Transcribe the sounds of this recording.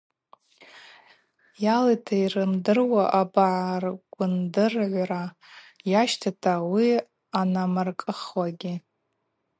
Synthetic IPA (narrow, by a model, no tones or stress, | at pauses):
jaletʰairɨmdɨrwaʔabaʕarɡʷʊndɨrʕʷra | jaʃtʰatʰawi | anamarkʼɨχwaɡʲɪ